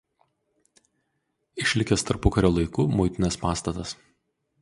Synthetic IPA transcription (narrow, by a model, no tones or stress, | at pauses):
ɪʃʲlʲɪkʲɛst̪ɐɾpʊkɐɾʲoːlˠɐɪkuːmʊɪt̪ʲɪnʲɛspɑːst̪ɐt̪ɐs